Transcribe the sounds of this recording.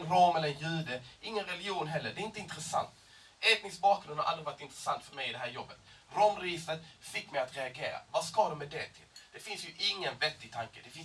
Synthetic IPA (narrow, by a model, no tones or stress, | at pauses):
nɾɑːmɛlːəɾɛnjʉ̟ːd̪əɪŋːənɾɛlɪjuːnɦɛlːəɖɛɪnt̪əɪnt̪ɾɛsa̰nt̪ | ɛt̪nɪsk̚bɑːkɾɵnhaɾa̰ld̪ɾɪvɑɾɪʈt̪ɪnt̪ɾɛsant̪fœɾmɛjɪd̪ɛɦæːɾjɔbːət̪ | ɾɔːmɾɛjɪst̪ət̪fɪkːmɛjat̪ɾɛaɡeːɾa̰vaskɑd̪ɔmːɛd̪ɛt̪ʰɪld̪̥ɛfɪnsjɵʔɪŋːənvɛt̪ːɪɡ̚t̪ʰaŋkəd̪ɛfɪ